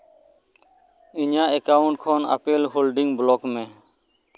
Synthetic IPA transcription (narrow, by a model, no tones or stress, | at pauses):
ɪɲãːeːkaːʊɳʈkʰoːnə̰peːlɦoːlɖɪŋɡbloːkmẽː